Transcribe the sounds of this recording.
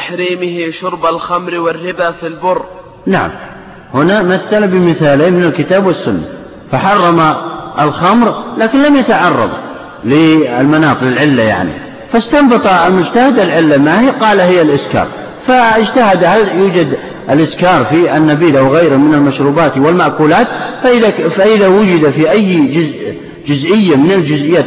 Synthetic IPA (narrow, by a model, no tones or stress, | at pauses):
aħɾiːmɪhiʃʊɾbalxamɾwɪrːɪbafilbʊrˤː | naʕa̰m | hʊnamaθːalbɪmɪθaːleːnmɪnalkɪt̪aːbwasːʊnːa̰ | faħɑrˤːɑmaʔalxamɾlaːkɪnlamjat̪aʕɑrˤːɑ̰b | lɪɪlmanɑːt̪ˤlalʕɪlːaja̰ʕnḭ | fast̪ɑmbɑt̪ˤɑlmʊd͡ʒt̪ahɪd̪alʕɪlːamahiqɑːlahɪjːalʔɪskɑ̰ːɾˤ | faɪd͡ʒt̪ahad̪haljuːd͡ʒad̪ | ʔɪlʔɪskɑːɾˤfianːabiːlawɣajɾɪhmɪnalmaʃɾuːbaːt̪wɪlmaʔkuːlaːt̪faʔɪðafaʔɪðawʊd͡ʒɪd̪afiʔajːd͡ʒʊz | d͡ʒʊzʔɪjːamɪnɪld͡ʒʊzʔɪjːaː